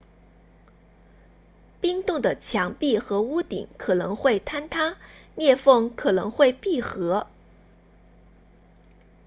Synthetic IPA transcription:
pi˥ŋt̪ʊ˥˩ŋd̪ə˩t͡ɕʰjɑ˧˥ŋpi˥˩xɤ˧˥u˥t̪ḭ˨˩˦ŋkʰɤ˨˩nɤ˧˥ŋxwe˥˩ɪt̪ʰa˥nt̪ʰa˥njɛ˥˧fɤ˥˧ŋkʰɤ˨˩nɤ̰˧˥ŋxwe˥˧ɪpi˥˩xɤ˧˥

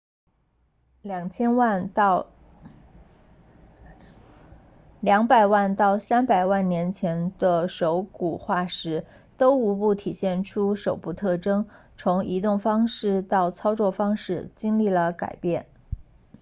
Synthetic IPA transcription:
ljɑ˨˩ŋt͡ɕʰjɛ˥nwa˥˧n˧ | ljɑ˧˥ŋpa˨˩ɪwa˥˧nt̪ɑ˥˩ʊsa˥npa˨˩ɪwa˥˩nnjɛ˧˥nt͡ɕʰjɛ˧˥nd̪̥ə˧ʂo˧˥ʊku˨˩xwa˥˩ʂɻ̩˧˥ | t̪o˥ʊu˧˥pu˥˩t̪ʰi˨˩ɕjɛ˥˩nʈ͡ʂʰu˥ʂo˨˩ʊpu˥˧t̪ʰɤ˥˩ʈ͡ʂɤ˥ŋ | t͡sʰʊ˧˥ŋi˧˥t̪ʊ˥˩ŋfɑ˥ŋʂɻ̩˥˧t̪ɑ˥˩ʊt͡sʰɑ˥ʊt͡swɔ˥˩fɑ˥ŋʂɻ̩˥˩t͡ɕi˥ŋli˥˩lə˩ka̰˨˩ɪpjɛ˥˩n

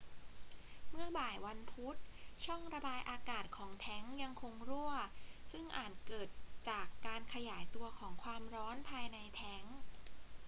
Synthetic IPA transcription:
mɯ˥˩ɐbaː˨˩jwa˧npʰu˦˥t̪̚t͡ɕʰɔ˥˩ŋɾa˧baː˧jʔaː˧kaː˨˩t̪̚kʰɔː˩˦ŋt̪ʰɛ˦˥ŋja˧ŋkʰo˧ŋɾu˥˩ɐsɯ˥˩ŋʔa̰ː˨˩t̪̚kɤː˨˩t̪̚t͡ɕaː˨˩kːaː˧nkʰa˧jaː˩˦jt̪u˧ɐkʰɔː˩˦ŋkʰwaː˧mɾɔː˦˥npʰaː˧jna˧jt̪ʰɛ˦˥ŋ

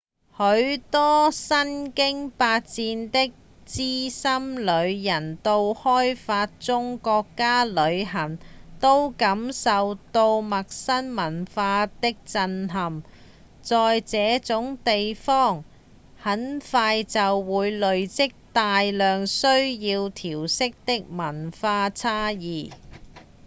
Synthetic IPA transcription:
hɵ˨˧˥ɥt̪ɔː˥sɐ˥nkɪ˥ŋpaː˧t̚t͡siː˧nt̪ɪ˥k̚ | t͡siː˥sɐ˥mlɵ˨˧ɥjɐ˨˩nt̪o˧whɔː˥jfaː˧t̚t͡sʊ˥ŋkɔː˧kːaː˥lɵ˨˧ɥɦɐ˨˩ŋt̪o˥wkɐ˨˥msɐ˨wt̪o˧wmɐ˨k̚sɐ˥nmɐ˨˩nfaː˧t̪ɪ˥k̚t͡sɐ˧nɦɐ˨m | t͡sɔː˨jt͡sɛː˨˥t͡sʊ˨˥ŋt̪e˨jfɔː˥˩ŋ | hɐ˨˥nfaː˧jt͡sɐ˨wːuː˨˧jlɵ˨ɥt͡sɪ˥k̚t̪aː˨jlœː˨ŋsɵ˥ɥjiː˧wt̪ʰiː˨˩wsɪ˥k̚t̪ɪ˥k̚mɐ˨˩nfaː˧t͡sʰaː˥jiː˨˩

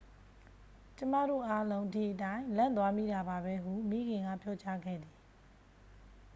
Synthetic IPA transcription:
t͡ɕəma̰˦˨dɾo̰˦˨ʔa˦lõ˦ʊ̃ʔtʰḭ˦˨ʔətã˦ɪ̃lã˦˨nt̪̬wa˦mḭ˦˨da˨ba˨βɛ˦ɦu˦˨mi˦˨ɡɪ̃˨ŋɡa̰˦˨pʰjɔ˦t͡ɕa˦ɡɛ̰˦˨d̪ði˨

